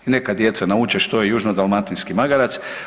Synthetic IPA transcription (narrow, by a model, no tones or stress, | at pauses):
ine̞kad̪je̞t̪sanaut͡ʃeʃt̪ojejuʒnod̪alˠmat̪inskimaɡaɾat̪s